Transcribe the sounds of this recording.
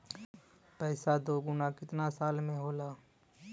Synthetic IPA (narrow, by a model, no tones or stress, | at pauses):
pɛːsad̪oːɡʊnakɪt̪nasaːlmẽɦoːlaː